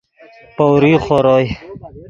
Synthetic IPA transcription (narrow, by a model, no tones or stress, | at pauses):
powɾiːχoɾoj